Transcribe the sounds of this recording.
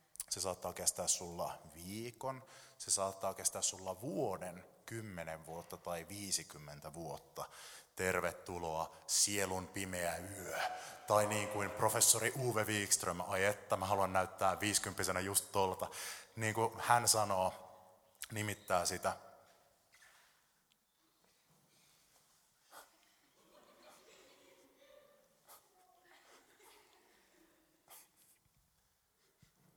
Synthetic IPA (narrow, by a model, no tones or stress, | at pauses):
sesɑːt̪ːɑːkest̪æːssulːɑ̰ʋiːkonsesɑːt̪ːɑːkest̪æːssulːɑʋuodenkymːeneʋʋuot̪ːɑt̪ɑiʋiːsikymːent̪æʋuot̪ːɑt̪erʋet̪ːuloɑsielunpimeæyøt̪ɑiniːŋkuimprofesːoɾiʔuːʋeʋiːkst̪rømɑjet̪ːɑmæɦɑluɑnnæyt̪ːæːʋiːskympːisenæjust̪t̪olt̪ɑniːŋkuhænsɑnoː | nimit̪ːæːsit̪æ